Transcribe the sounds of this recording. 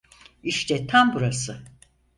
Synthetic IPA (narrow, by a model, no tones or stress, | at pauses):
iʃt̪ʰɛt̪ʰambuɾasɯ